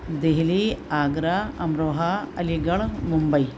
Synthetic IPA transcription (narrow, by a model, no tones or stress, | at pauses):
d̪eɦiliaːɡɾaɐmɾoːɦɐɐliɡɐɭmumbɐj